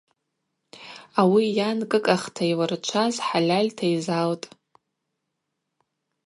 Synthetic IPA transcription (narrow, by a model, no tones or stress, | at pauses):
awijankʼɨkʼaχtʰajwart͡ʃʷʰazħalʲalʲtʰajzaltʼ